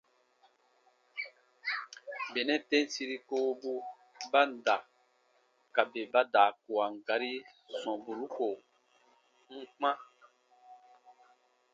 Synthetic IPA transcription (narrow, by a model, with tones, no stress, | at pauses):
be˨nɛ̃˦tẽ˦n˦si˧ɾi˦koː˦bu˦ | ba˦n̩˨da˨ | ka˨be˨ba˦daː˨ku˨a˨ŋ̩˨ɡa˨ɾi˦ | sɔ̃˨bu˨ɾu˦ko˨ | ŋ̩˦k͡pã˦